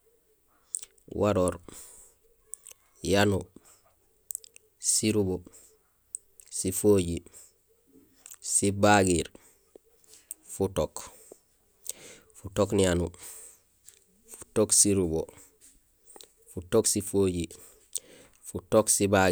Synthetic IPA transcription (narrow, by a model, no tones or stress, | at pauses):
wʔaɾoːɾ | janu | siɾubo | sifoːɟi | sibaɡiɾ | futok | futoknijanu | fu̥toksiɾubo | futoksifoːɟi | futoksiba